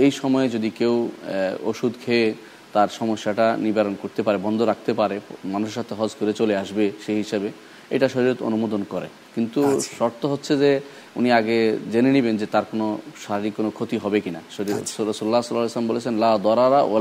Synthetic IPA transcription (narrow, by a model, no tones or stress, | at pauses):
ejʃɔmɔed͡ʑod̪ikewoʃud̪kʰee | t̪aɾʃɔmoʃːaʈanibʱaɾonkoɾt̪epaɾebɔnd̪ʱoɾak̚ʰt̪epaɾemanuʃeɾʃat̪ʰeɦɔd͡ʑkoɾet͡ɕoleaʃbeʃeɦiʃebe | ḛʈaʃoɾiot̪o̰numod̪onkɔɾḛ | kint̪uʃɔɾt̪oɦotːɕʰed͡ʑe | uniaɡed͡ʑenenibend͡ʑet̪aɾkonoʃaɾiɾikːonokʰot̪iɦɔbekinaɾɔsululːasɔlaleslɔmbolet͡ɕʰenlad̪ɔɾaɾaʔo̰l